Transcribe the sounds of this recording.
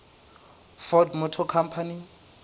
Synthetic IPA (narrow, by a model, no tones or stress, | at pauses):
fɔdmɔtʰɔkʰampʰani